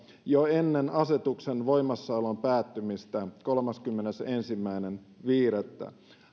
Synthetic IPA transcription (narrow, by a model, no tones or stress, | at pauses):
joenːenɑset̪uksenʋo̞imːɑsːɑolompæːt̪ːymist̪æko̞lmɑskymːenesensimːæinen | ʋiːret̪ːæ̰